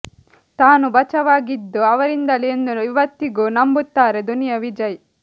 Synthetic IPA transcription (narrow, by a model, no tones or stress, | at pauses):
t̪aːnubɐt͡ʃɐʋaːɡid̪ːuɐʋɐɾind̪ɐliend̪uiʋɐt̪ːiɡuːnɐmbut̪ːaːɾe̞d̪unijɐʋid͡ʒɐj